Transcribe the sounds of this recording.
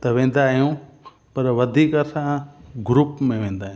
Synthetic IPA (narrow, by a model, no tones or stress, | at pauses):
t̪ɐʋẽːnd̪aːɦijũ | pɐɾʋɐd̪ʱikəɾsãɡɾupmẽʋẽːn̆d̪aːɦij̃